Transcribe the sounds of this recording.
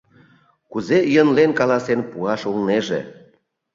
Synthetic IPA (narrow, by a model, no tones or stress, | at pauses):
kuzejənlenkɑlɑsenpuɑʃulneʒḛ